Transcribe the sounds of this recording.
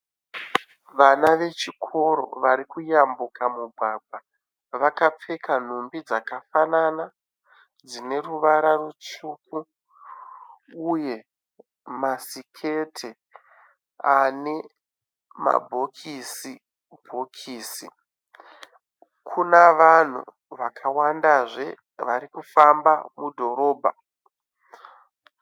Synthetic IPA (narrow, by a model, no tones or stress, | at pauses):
ʋanaʋe̞t͡ʃikʰo̞ɾo̞̰ʋaɾikujambukamuɡʱwaɡʱwa | ʋakap͡fe̞kan̤umbid͡zakafanana | d͡zine̞ruʋaɾarut͡ʂuku | uje̞ | masikʰe̞tʰe | ane̞ | ma̰bʱokʰisi | bʱokʰiːsḭ | kʰunaʋan̤ṵ | ʋakʰawandaʐe̞̰ | ʋaɾikufambamudʱo̞ɾo̞ːbʱa̰